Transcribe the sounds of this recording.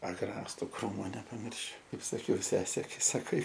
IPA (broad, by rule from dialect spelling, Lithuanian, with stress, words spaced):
ɐˈɡrɑːstʊ ˈkruːmoː nʲɛpɐˈmʲɪrʲʃʲʊ ˈkɐɪp sɐˈkʲɛʊ ˈsʲæːsʲeː sɐˈkɐɪ